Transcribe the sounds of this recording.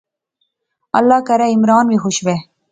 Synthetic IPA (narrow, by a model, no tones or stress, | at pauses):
ɐ̰lːɑːkɐɾɐɪmɾɑːnʋixʊʃʋe